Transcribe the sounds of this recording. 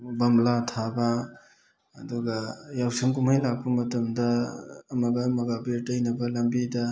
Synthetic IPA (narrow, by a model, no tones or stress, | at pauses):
bɐmlatʰabɐː | duɡɐjawsiŋkumhajlak̚pɐmɐtɐmdɐːmɐɡɐmɐɡabiɾtɐjnɐbɐlambidɐ